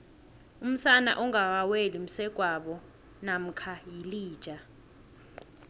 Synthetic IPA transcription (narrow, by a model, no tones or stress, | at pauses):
um̩sana̰ʔɔŋak̬awelim̩sɛɡ̥ʱwaɓɔ | nam̩kʰajiliːd̥ʒ̥ʱa